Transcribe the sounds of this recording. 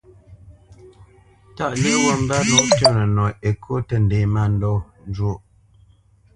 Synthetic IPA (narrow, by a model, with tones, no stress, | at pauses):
ta˨ʔle˦wo˦˨m̩˦ba˦nu˦˨ʔtə˦˨nə˨nɔ˨e˨kʰo˦tə˦˨n̩˨de˨ma˦˨n̩˦dɔ˦n˦d͡ʒo˦ʔ